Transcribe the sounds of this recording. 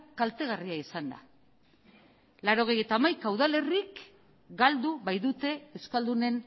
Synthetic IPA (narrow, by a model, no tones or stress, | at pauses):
kalt̪e̞ɣariaisand̪a̰ | laɾo̞ɣ̞e̞je̞t̪aːmajkaːwðale̞rik | ɡald̪uβajðut̪e̞ewskald̪une̞n